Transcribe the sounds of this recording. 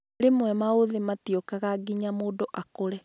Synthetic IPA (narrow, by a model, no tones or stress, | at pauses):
ɾemwɛmaoðematiokaɣaɡiɲamoːdoʔakoɾɛ